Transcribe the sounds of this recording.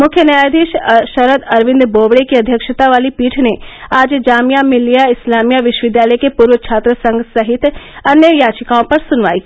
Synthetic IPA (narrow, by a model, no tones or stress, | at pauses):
mʊkʰjənjaːjd̪iːʃʃɐɾəd̪ɐɾʋɪ̃nd̪boːʋɽekiɐd̪ʱjəkʃət̪aʋaːlipiːʈʰneaːd͡ʒd͡ʒaːmjamɪ̃lijaɪslaːmjaʋɪʃwəʋɪd̪jaːləjkepuːɾʋət͡ʃʰaːt̪ɾəsɐ̃ŋɡsɐɦɪt̪ɐnjəjaːt͡ʃɪkaõpɐɾsʊnʋa̰ːi